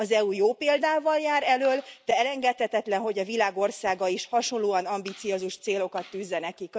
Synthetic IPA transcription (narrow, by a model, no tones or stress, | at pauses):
ɒzɛujoːpeːld̪aːvɒljaːɾɛløːld̪̥ɛɛlɛŋɡɛt̪hɛt̪ɛt̪lɛnɦo̞ɟɒvilaːɡo̞rsaːɡɒiʃhɒʃo̞nloːɒnɒmbit̪sijozuʃt̪seːlo̞kɒt̪ːyːzːɛnɛkik